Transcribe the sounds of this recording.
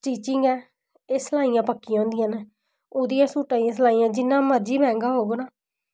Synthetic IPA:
t͡ʃiːt͡ʃɪŋɡɛː | eːsəlaːijãːpəkːiãːnd̪ijãːn | oːd̪ijãːsuːʈaːijãːs̬əlaːiːãːd͡ʒɪnːãːməɾd͡ʒiːbɛ̃ːŋɡaːɦoːɡoːnaː

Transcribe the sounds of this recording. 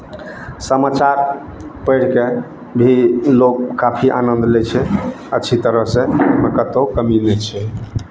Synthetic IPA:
səmat͡ʃaɾ | pəjɽ̤ke | bʱilokkapʰiʔa̰nənd̪ʱlɛt͡ʃʰɛ | əːt͡ʃʰit̪əɾəɦsẽməkət̪okəminɛt͡ʃʰɛ

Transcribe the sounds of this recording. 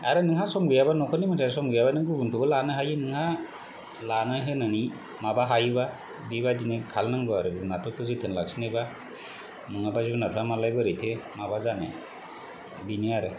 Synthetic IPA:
a̰ɾɯnɯŋɦasɔmɡɯjabanɔkʰɔnimatʰasɔmɡɯjabanɯŋɡɯɡunkʰɯbɯlanɯɦajɯnɯŋha | lanajɦɯnani | mabaɦajba | bibadinekʰalnaŋbɯaɾɯdɯnat̚ʰɯpʰɯzitʰɯnlak̚sinajba | mɯŋabazibɯnat̚ʰɾamalajbɯɾɯtʰemabazanḛ | biniaɾɯ

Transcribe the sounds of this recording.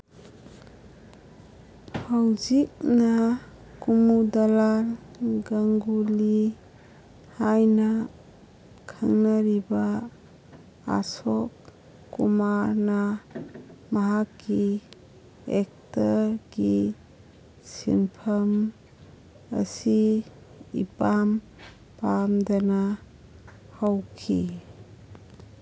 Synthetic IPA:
hawd͡ʒik̚na | kumudalaɾɡaŋɡuli | hajna | kʰaŋnaɾiba | a̰sɔkː | umaɾna | maɦakːi | ek̚taɾɡi | sḭnpʰəm | ə̰si | ḭpam | pamdana | hawkʰḭ

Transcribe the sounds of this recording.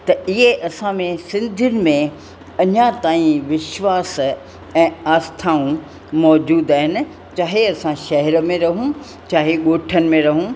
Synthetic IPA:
t̪ɐɪɦeʔɐsãmẽsɪ̃nd̪ʱiʊnɪ̆mẽ | ɐɲãt̪aːĩʋɪʃʋaːs | ɛ̃ːaːst̪ʰaːũ | mɔːd͡ʑuːd̪aːɦɪnɪ̆ | t͡ɕaːɦeɐsãʃɐɦɛɾə̆mẽɾɐɦũ | t͡ɕaːɦeɠoːʈʰənɪ̆mẽɾɐɦũ

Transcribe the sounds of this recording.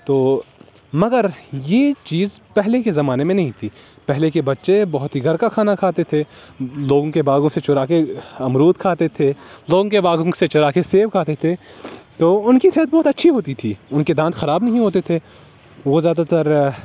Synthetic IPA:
t̪oː | mɐɡəɾjeːt͡ʃiːz | pɛɦlekezɐmaːnemẽnɐɦĩt̪ʰiː | pɛɦlekebɐtːʃebɐɦʊt̪ɦiɡʱɐɾkakʰaːnakʰaːt̪et̪ʰeloːɡõkebaːɡõset͡ʃʊɾaːkeɐmɾuːt̪̚kʰaːt̪et̪ʰeloːɡõkebaːɡõset͡ʃʊɾaːkeseːʋkʰaːt̪et̪ʰet̪oːʊnkiseɦət̪̚bɔːt̪ɐtːʃʰiɦoːt̪it̪ʰiːʊnked̪ãːt̪xɐɾaːbnɐɦĩɦoːt̪et̪ʰe | ʋozjaːd̪at̪ɐɾ

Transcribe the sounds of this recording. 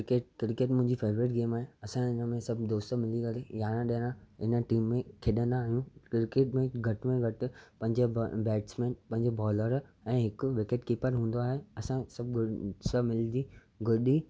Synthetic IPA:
keːʈkɾɪkeʈmʊ̃ɦɪ̃ɲd͡ʑifʰeːʋɾɪːʈ̬ɡeːmaːɦeɐsãɪnəmẽsɐbʱd̪oːst̪mɪlikɐɾejaːnãɗeːñãɪnəʈiːmːẽkʰɪɗə̃nd̪aːɦijũkɾɪkeːʈmẽɡʱɐʈmẽɡʱɐʈɪpɐ̃ɦɪ̃ɲd͡ʑebɛːʈsmẽːnpɐ̃ɦɪ̃ɲd͡ʑebɔːləɾ | ɛ̃ːɦɪkʊʋɪkeːʈkiːpəɾɦũːn̆d̪oaːɦeɐsãsɐb̚ɡsəmɪld̪iː | ɡʱʊɗi

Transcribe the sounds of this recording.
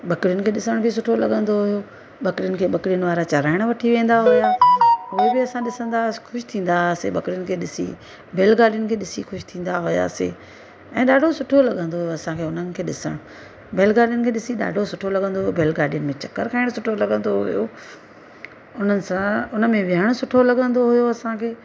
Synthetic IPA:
ɓɐkɽjʊnɪ̆kʰeːɗɪsəɽ̃bʱɪs̬ʊʈʰolɐɠə̃nd̪oɦʊjo | ɓɐkɽijʊnɪ̆kʰeːɓɐkɽijʊnɪ̆ʋaːɾat͡ɕɐɾaːɪɽ̃ʋɐʈʰiʋẽːnd̪aɦʊjaːʊɦebɪɐsãɗɪsə̃nd̪axʊʃɪ̥t̪ʰĩːn̆d̪aseɓɐkɪɽijʊnɪ̆kʰeːɗɪsḭ | bʱeːlɡaːɖijʊnɪ̆kʰeːɗɪsixʊʃt̪ʰĩːn̆d̪aɦʊja̰ːsḛː | ɛ̃ːɗaːɖʱosʊʈʰolɐɠə̃nd̪oɦʊjoɐsãkʰeːʊn̤ənɪ̆kʰeːɗɪsə̰ɽ̃ʊ̃ | bʱeːlɡaːɖijʊnɪ̆kʰeːɗɪsiɗa̰ːɖʱosʊʈʰolɐɠə̃nd̪oɦʊjobʱeːlɡaːɖijʊnɪ̆mẽt͡ɕɐkːəɾkʰaːɪɽ̃sʊʈʰolɐɠə̃nd̪oɦʊ̰jo̰ | ʊn̤ənɪ̆sãʊnəmẽʋɪɦəɽ̃sʊʈʰolɐɠə̃nd̪oɦʊjoɐsãkʰeː

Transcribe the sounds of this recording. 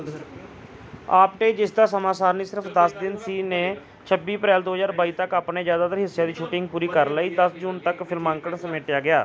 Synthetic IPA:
aːp̚ʈeːd͡ʒɪsd̪aːsəmaːsaːɾniːsɪɾəpʰd̪əsd̪ɪnsiːnẽː | t͡ʃʰəbiːəpɾɛːld̪oːɦəzaːɾbaːiːt̪əkaːpneːd͡ʒjaːd̪aːt̪əɾɦɪsːjãːd̪iːʃʰuːʈɪŋɡ̚puːɾiːkəɾləiːd̪əsd͡ʒuːnt̪əkpʰɪlmãːŋkəɳsəmeːʈɪjaːɡɪjaː

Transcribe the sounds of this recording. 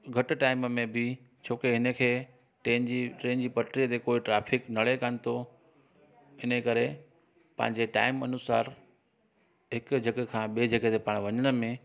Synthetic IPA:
ɡʱɐʈʊ̆ʈaːɪmmẽbɪ | t͡ɕʰoːkeɦɪnəkʰeː | ʈẽːnd͡ʑiːʈẽːnd͡ʑiːpɐʈɾijət̪ʰekoːɪʈɾaːfʰɪknɐɽekənɪ̆t̪ʰo | ɪnəkɐɾe | pɐ̰̃ɦɪ̃ɲ̆d͡ʑeʈa̰ːɪmɐnʊsaːɾ | ɦɪkd͡ʑʱɐɡekʰãːɓeːd͡ʑʱɐɡet̪ʰepaːɽ̃ʋɐɲəɽ̃ə̆mẽ

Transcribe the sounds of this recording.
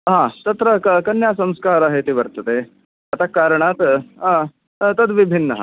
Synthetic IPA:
ɦãt̪ɐt̪ɾəkəkɐnjasə̃mskaːɾaɦet̪iːʋəɾt̪ət̪e | ɐt̪akaːɾɳ̃at̪ | t̪ɐd̪ʋibʱinːəɦã̰

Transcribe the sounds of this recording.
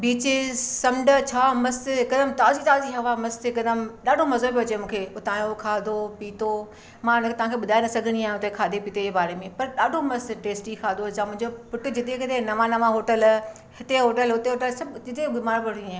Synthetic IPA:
biːt͡ɕesɐmɖət͡ɕʰaːmɐst̪ɦɪkɐd̪əmt̪aːzit̪aːziɦɐʋamɐst̪ɦɪkɐd̪əmɗaːɖʱomɐzobiɐt͡ɕemũːkʰeʊt̪aːjokʰaːd̪ʱopiːt̪o | mãʊnə̃kt̪ɐʋ̤ãːkʰeːɓʊd̪ʱaːinɐsɐɡʱəɽ̃iaːɦɦʊt̪ekʰaːd̪ʱepiːt̪eeːbaːɾemẽpɐɾɗaːɖʱomɐst̪ʈeːsʈikʰaːd̪od͡ʑamʊ̃ɦɪ̃ɲd͡ʑopʊʈʊd͡ʑɪt̪ekɐt̪enɐʋãnɐʋãɦoːʈəl | hɪt̪eɦoːʈəlɦʊt̪eɦoːʈəlsɐbɪt̪ebɪmaːɾbɐɽ̤̃iaːɦ

